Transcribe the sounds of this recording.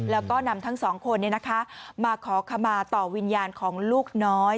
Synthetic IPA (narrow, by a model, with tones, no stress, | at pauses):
lɛː˦˥wkɔː˥˩na˧mt̪ʰa˦˥ŋsɔː˩˦ŋkʰo˧nːi˥˩na˦˥kʰa˦˥maː˧kʰɔː˩˦kʰa˧mːaː˧t̪ɔː˨˩wi˧njaː˧nkʰɔː˩˦ŋluː˥˩k̚nɔː˦˥j